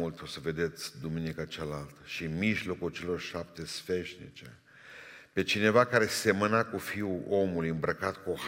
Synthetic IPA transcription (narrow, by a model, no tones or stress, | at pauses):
ult̪osəve̞d̪e̞t̪sʲd̪uminikat͡ʃalalt̪əʃimiʒlo̞kult͡ʃe̞lo̞rʃap̚t̪e̞sfe̞ʃnḭt͡ʃe̞̰ | pe̞t͡ʃine̞vakaɾe̞se̞mənakufiuo̞mulujɨmbɾəkat̪kuoh